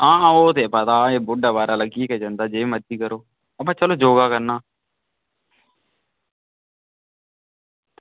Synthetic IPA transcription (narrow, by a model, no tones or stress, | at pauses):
ãːoːt̪eːpət̪aːeːbʊɖaːʋaːɾaːləɡiːked͡ʒə̃nd̪aːd͡ʒeːməd̪iːkəɾoː | əpãːt͡ʃəloːd͡ʒoːɡaːkəɾnaː